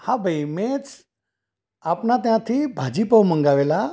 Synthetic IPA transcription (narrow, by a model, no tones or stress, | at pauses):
hãbʱəimet͡s | apnat̪̬jãt̪ʰibʱad͡ʑiːpəwməŋɡaʋela